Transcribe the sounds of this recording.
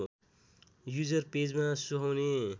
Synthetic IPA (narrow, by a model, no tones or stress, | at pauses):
jud͡zʌrped͡zmasuɦawne